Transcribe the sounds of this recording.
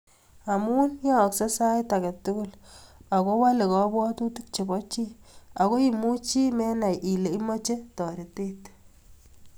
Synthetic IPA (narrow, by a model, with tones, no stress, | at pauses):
a˨mu˦njɔ˦˨kse˦sa˦jta˨kɛ˨tu˦kʊ˦la˨ko˦wa˦le˨kɔ˦bɔ˦tu˦ti˦k̚t͡ʃe˨bɔ˦t͡ʃi˦a˨ko˦i˨mu˦t͡ʃi˦mɛ˦na˨jʔi˨le˨i˦mo˦t͡ʃe˦tɔ˨ɾe˨te˦t